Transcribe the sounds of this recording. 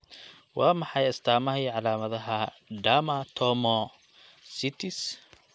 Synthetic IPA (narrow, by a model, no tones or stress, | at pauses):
wɑːmɑħɑjɐst̪ʰaːmɐɦiːʕɑlaːmɐðɐɦɐ | ɖamɐt̪ʰɔːmɔ | sɪt̪ʰɪs